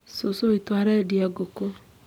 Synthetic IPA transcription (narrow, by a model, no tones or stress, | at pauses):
sosoitwaːɾɛdiaɡoko